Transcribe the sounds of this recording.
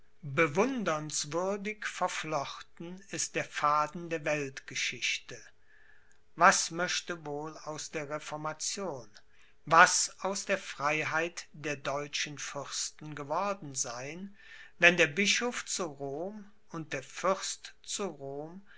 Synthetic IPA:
bəvʊndɐnsv̥ʏɐdɪkfɛɐflɔχtn̩ɪst̚d̥eːɐfaːdn̩deːɐvɛltɡ̥əʃɪçtə | vasmœʃtəvoːlaʊsd̥eːɐʁefɔɐmat͡sjoːn | vasaʊsd̥eːɐfʁ̥aɪɦaɪtd̥eːɐdɔʏt͡ʃənfʏʁstn̩ɡəvɔɐdn̩zaɪn | vɛndeːɐbɪʃoft͡suʁoːm | ʊnt̚d̥eːɐfʏʁstt͡suʁoːm

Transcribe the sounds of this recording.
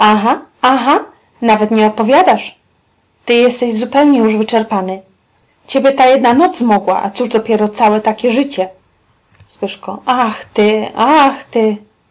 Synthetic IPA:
aɦaaɦa | navɛt̪ɲɛɔt̪̚pɔvʲjad̪aʂ | t̪ɘjɛst̪ɛʑzupɛwɲɛjuʐvɘt͡ʂɛɾpanɘ | t͡ɕɛbʲɛt̪ajɛd̪nanɔd̪zzmɔɡwa̰ʔa̰t̪suʐd̪ɔpʲjɛɾɔt̪sawɛt̪akʲɛʐɘt͡ɕɛ | swɘʂkɔ̃ʔaxt̪ɘaxt̪ɘ

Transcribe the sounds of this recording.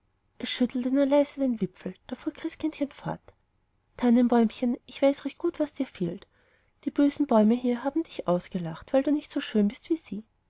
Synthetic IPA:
ʔɛsʃʏtʰl̩tənuːɐlaɪzədeːnvɪp͡fl̩d̥aːfuːɐkʁ̥ɪskʰɪntçənfɔ̰ɐt | tʰːanənbɔʏmçənʔɪçv̥aɪsʁɛçt̚ɡ̥uːtv̥asd̥iːɐfeːlt | d̥iːb̥øːzn̩bɔʏməɦiːɐɦaːbm̩dɪçʔaʊsɡ̥əlaχtv̥aɪlduːnɪçtsoːʃøːnbɪstv̥iːz̥iː

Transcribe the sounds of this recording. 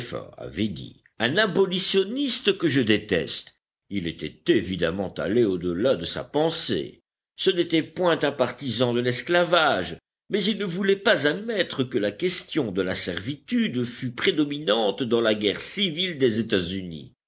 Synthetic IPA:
fa̰a̰vɛd̪ḭ | ɛ̃nabɔlisjɔnist̪əkəʒəd̪et̪ɛ̰st̪ | ilɛt̪ɛ̰t̪evid̪a̰mɑ̃t̪a̰leod̪əlad̪əsa̰pɑ̃sḛ | sənet̪ɛpwɛ̃t̪ɛ̃paʁt̪izɑ̃d̪əlɛsklavaʒ | mɛzilnəvulɛpazad̪mɛt̪χəkəlakʲɛst̪jɔ̃d̪əlasɛʁvit̪yd̪fypχed̪ɔminɑ̃t̪d̪ɑ̃laɡʲɛʁsivild̪ezet̪azynḭ

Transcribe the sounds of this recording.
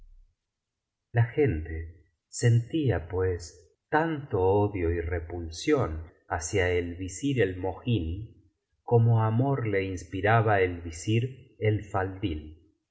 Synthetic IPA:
laxe̞nt̪e | se̞nt̪iapwes | t̪ant̪o̞oðjo̞irepulsjo̞n | asjaelβisiɾelmo̞xini | ko̞moamo̞ɾle̞inspiɾaβaelβisiɾelfald̪il

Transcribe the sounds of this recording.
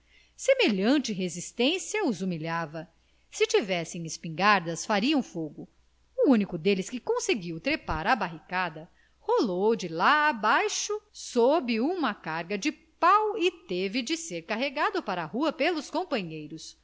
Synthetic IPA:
semeʎɐ̃t͡ʃɪɦezist̪ẽsjɐuzumiʎavɐ | sɪt͡ʃivɛsẽj̃ɪspĩŋɡaɾd̪ɐsfaɾiũfoɡʊ | uũnikʊd̪elɪskɪkõseɡiwt̪ɾepaɾɐbaɦikad̪ɐ | holowd͡ʒɪlaːbajʃʊsobɪũmɐkaɾɡɐd͡ʒɪpawɪt̪evɪd͡ʒɪseɾkaɦeɡad̪ʊpaɾɐhuɐpelʊskõpɐ̃ɲejɾʊs

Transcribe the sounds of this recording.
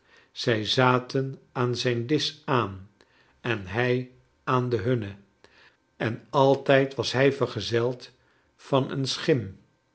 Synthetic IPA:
z̥ɛjzaːtənaːnzɛjndɪsaːn | ɛnɦɛj | aːndəɦɵnə | ɛnɑlˠtɛjtʋɑsɦɛjvəɹχəzɛlˠt | fɑnə̰nsχɪm

